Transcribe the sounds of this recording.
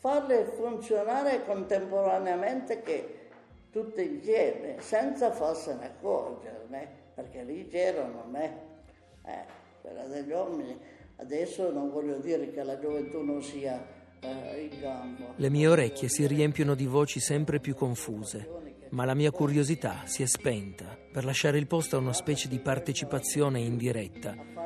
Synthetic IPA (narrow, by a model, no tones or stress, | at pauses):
farlɪfunt̪sjonaːɾekont̪empoɾaneament̪eke | t̪ut̪ːeinsjɛːmḛsɛnt̪safarsenḛakːɔ̰rd͡ʒḛɾneperk̟elit͡ʃɛːɾonome | ɛ̰ | pḛla̰d̪ed͡ʒɔmini | a̰d̪ɛsːononvɔljod̪iːɾekelad͡ʒovent̪unonsiːa | iŋɡambolemiːeoɾɛkʲːjesiriɛmpjonod̪ivoːt͡ʃisɛmpɾepjukːoɱfuːze | malamiːakuɾjozit̪a̰siɛspɛnt̪aperlaʃːaːɾeilpɔst̪oaunaspɛːt͡ʃed̪ipart̪et͡ʃipat̪sːjoːneind̪iɾɛt̪ːa